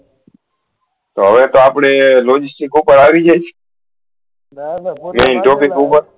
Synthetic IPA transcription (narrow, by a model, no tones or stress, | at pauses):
t̪o̰ːɦəʋeːt̪oːaːpɳeːloːd͡ʒɪsʈɪkuːpəɾaːʋiːd͡ʒet͡ʃʰː | meːnʈoːpɪkuːpəɾ